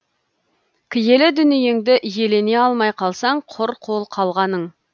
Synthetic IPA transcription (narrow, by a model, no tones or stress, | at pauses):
kʲʰɪje̞lɪd̪ʏnɪjeŋd̪ɪʔje̞le̞neɑlˠmɑjqʰɑlˠsɑɴqʰʊɾqʰo̞lˠqʰɑlˠʁɑnəɴ